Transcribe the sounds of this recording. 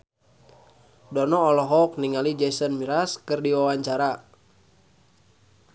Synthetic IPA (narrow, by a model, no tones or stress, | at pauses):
dɔnɔːlɔɦɔk̚niŋalid͡ʒɛsənmiɾaskɨrdiwawaɲt͡ʃaɾa